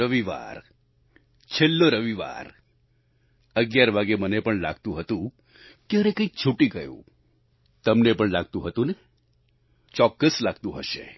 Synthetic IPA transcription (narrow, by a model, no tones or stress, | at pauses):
əʋiʋa̰ɾ | t͡ʃʰelːoɾəʋiʋa̰ɾ | əɡjaɾʋaɡemənepəɳla̰ɡt̪ũɦət̪ũ | keəɾekə̃ikt͡ʃʰuʈiɡəjṵ̃ | t̪əmnepəɳlaɡ̚t̪ũɦət̪ũne | t͡ʃɔkːəslaɡ̚t̪ũɦəʃḛ